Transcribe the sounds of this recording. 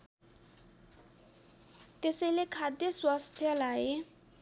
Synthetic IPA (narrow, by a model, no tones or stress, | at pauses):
t̪eselekʰad̪jəswast̪ʰjalae